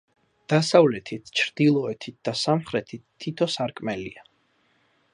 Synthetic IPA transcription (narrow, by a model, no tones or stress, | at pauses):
d̪̥asavlɛt̪ʰit̪ʰt͡ʃʰɾd̪̥ilˠɔɛt̪ʰit̪̚d̪̥asamχɾɛt̪ʰit̪ʰːit̪ʰɔsaɾkʼmɛlḭa